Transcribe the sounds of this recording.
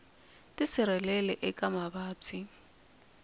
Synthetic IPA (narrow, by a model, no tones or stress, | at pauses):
tʼisɪɾɛlɛlɛʔɛkʼamaɓaːt͡sʰi